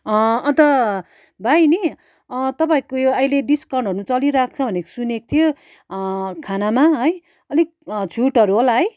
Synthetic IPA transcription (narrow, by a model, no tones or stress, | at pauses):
ʌʌ̃nt̪ʌ | bajni | ʌt̪ʌpaĩkojoʌjleɖiskʌɳɖɦʌɾnut͡sʌliɾak̚ʰt͡sʰʌbʱʌneko̥sunekt̪ʰijo | kʰanamaɦʌj | ʌlikt͡sʰuʈʌɾuɦolaɦʌj